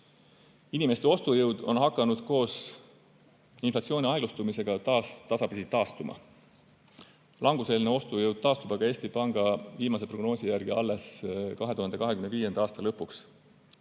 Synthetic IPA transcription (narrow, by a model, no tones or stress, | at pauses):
inime̞st̪e̞o̞st̪ujɤwd̪̥o̞̰nɦɑkːˑɑnud̪̥ko̞ːs | inflɑt̪sioːnʲiɑjɡlust̪umise̞ɡ̥ɑt̪ɑst̪ɑsɑpisit̪ːɑːst̪umɑ̰ | lʔɑŋɡ̥use̞lineo̞st̪ujɤwd̪̥̚t̪ɑːst̪ub̥ɑɡɑe̞ːsʲt̪ipɑŋɡ̥ɑviːmɑs̬e̞pro̞ɡ̥no̞ːsijærɡ̥iɑ̰lːe̞skɑɦeuhɑnd̪ekɑɦekymneviːje̞nd̪ɑɑːst̪ɑlɤpːˑuks